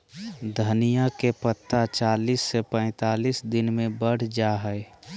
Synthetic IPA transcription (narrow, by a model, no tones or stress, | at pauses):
d̪ʱənijakepət̪ʰːat͡ʃaːliːsːepɛ̃ɪt̪aːliːsd̪ɪnmẽbəɽ̤d͡ʒaɦɛe